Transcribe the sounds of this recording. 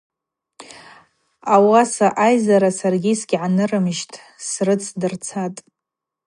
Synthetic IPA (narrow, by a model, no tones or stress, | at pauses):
awasaʔajzaɾasarɡʲisɡʲʕanɨrɨmʒtʼʰ | srɨt͡sʰdɨrt͡sʰatʼ